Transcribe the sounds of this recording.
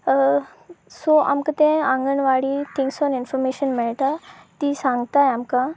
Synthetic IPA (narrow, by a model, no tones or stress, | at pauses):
sɔʔa̰mkat̪ɛ̃ãŋɡəɳʋaɽiːt̪ʰĩŋksɔninfɔɾmeɕənmɛɭt̪at̪isãŋɡt̪ajamka